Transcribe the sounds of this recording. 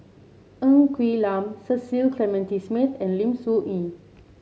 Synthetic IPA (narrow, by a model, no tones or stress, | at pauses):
ʔə̃ŋkʰwilãmsəsilkʰlɛmɛ̃ntismit̪ɛ̃nlĩmsuʔĩ